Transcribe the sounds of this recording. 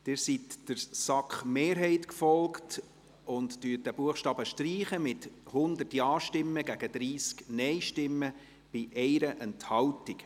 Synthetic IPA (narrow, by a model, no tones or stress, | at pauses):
d̥ɪɾsitd̥əɾsɑkχmeːɾɦɛɪtkfɔlkt | ʊntdyːət̚d̥æb̥uəχʃtɑːbəʃtriːχəmɪthʊnd̪ərtjɑːʃtɪmːəɡæɡ̥əd̪̥ɾiːsknɛɪʃtɪmːə | b̥ɪʔɛɪɾəʔɛnthɑwtik